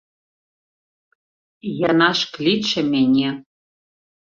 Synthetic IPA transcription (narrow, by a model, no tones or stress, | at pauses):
jɑnɑʃklʲit̪ʃɘ̆mʲenʲe